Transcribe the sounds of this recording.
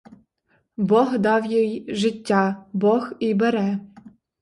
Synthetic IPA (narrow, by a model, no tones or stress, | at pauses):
bɔɣd̪ɑwjijʒɪtʲːɑbɔxibɛɾɛ